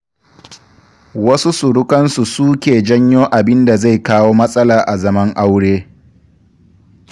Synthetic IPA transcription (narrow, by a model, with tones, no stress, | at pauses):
wɐ˦su˦su˨ɽʊ˦kɐ˦nsu˨suː˦kʲeː˨d͡ʒɐ˦ɲjoː˦ʔa˨bɪ˦nda˨za˦˨jkaː˦woː˦mɐ˦sʼɐ˦laː˨ʔa˨zɐ˦mɐ˦ŋʔa˦wɽeː˦